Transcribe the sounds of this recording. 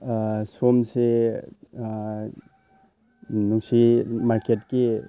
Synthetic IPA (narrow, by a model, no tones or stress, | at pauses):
somse | nusimaɾketke